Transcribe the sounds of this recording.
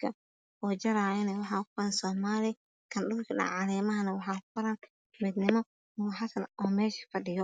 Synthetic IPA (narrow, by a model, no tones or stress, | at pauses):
kʰɐ | ɔːt͡ʃɐɾaːɪnɛwɑħɑːʊfʊɾɐnsɔːmaːlɪ | kʰɐnɗʊrkʰɐɗɐ̰ʕɑlɛːmɐɦɐnɐwɑħɑːfʊɾɐn | mɪd̪nɪmɔ | ʊħasɐnɔːmɛːʃɐ̥fɐɗɪjɔ